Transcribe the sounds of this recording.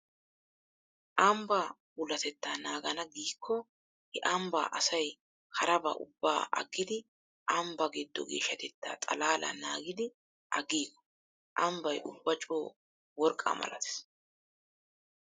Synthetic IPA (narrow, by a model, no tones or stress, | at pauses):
ʔɐmba | ʊlɐt̪ɛt̪ːaːnaːɡɐnɐɡiːkʰːɔ | hɛʔɐmba̰ːʔɐsɐj | hɐɾɐbɐ̰ʔʊbːa̰ːʔɐ̰ɡːɪd̪ɪ | ʔɐmbɐɡɪd̪ːɔ̰ɡḛːʃːɐt̪ɛt̪ːa̰ːt̪ʼɐ̰laːlʔɐ̰naːɡɪd̪ɪ | ʔɐɡiːkːɔ̥ | ʔɐmbɐjʔʊbːɐt͡ʃʼoː | wɔɾkʼːɐ̰mɐ̰lɐ̰t̪ɛ̥s